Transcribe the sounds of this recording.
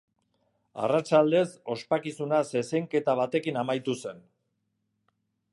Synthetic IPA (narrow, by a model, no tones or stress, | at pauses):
a̰rat͡ʃald̪e̞so̞spakisunase̞sejŋke̞t̪aβ̞at̪e̞kinamajt̪use̞n